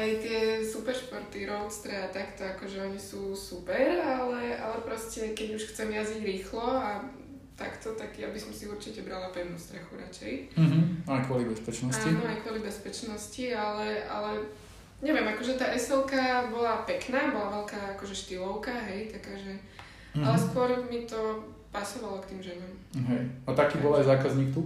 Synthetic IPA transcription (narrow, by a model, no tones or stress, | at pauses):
ajt̪ɪɛsupɛɾʃpɔɾt̪iɾɔʊt͡st̪ɾɛat̪akt̪ɔakɔʒɛɔɲisuːsupɛɾalɛa̰lɛpɾɔscɛkɛɟuʃxt͡sɛmjaziɟɾiːxlɔa | t̪a̰kt̪ɔt̪aɡjabisɔmsiuɾt͡ʃicɛbɾalapɛʋnuːst̪ɾɛxuɾa̰t͡ʃɛj̩ajkʊɔlibɛspɛt͡ʃnɔsaːinɔajkʊɔlibɛspɛt͡ʃnɔscialɛʔa̰lɛ | ɲɛʋjɛmakɔʒɛt̪aːʔɛsɛlˠkabɔlapɛknaːbɔlaʋɛlkaːakɔʒɛʃt̪ilɔʊkaɦɛjt̪akaːʒɛ | alɛskʊɔɾmit̪ɔ | pasɔʋalɔkt̪iːmʒɛnɔmɦɛjat̪akiːbɔlajzaːkazɲiːkt̪u